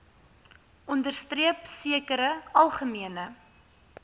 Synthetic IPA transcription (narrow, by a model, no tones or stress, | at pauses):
ɔndərstriəpsiəkəɾəɐlˠχəmiənə